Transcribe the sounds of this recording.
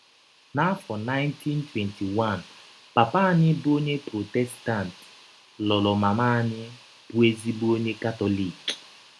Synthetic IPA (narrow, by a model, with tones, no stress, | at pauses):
na˦fɔ˨na˦jnti˦ntwɛ˨nti˨wa˦˨n | pa˨pa˦ɲɪ˦bu˦o˦ɲe˦pɾo˨tɛ˦sta˦˨nt | lɔ˨lɔ˨ma˨ma˦ɲɪ˦ | b̥u˦e˦zi˦bu˦o˦ɲe˦ka˦tɔ˦li˨k